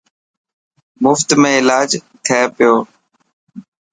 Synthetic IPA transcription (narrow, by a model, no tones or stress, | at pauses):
mʊft̪mẽːɪlaːd͡ʒt̪ʰeːpɪjoː